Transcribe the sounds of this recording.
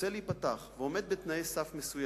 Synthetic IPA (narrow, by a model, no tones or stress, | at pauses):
elipat̪aχveo̞med̪̚bet̪najesafmesuj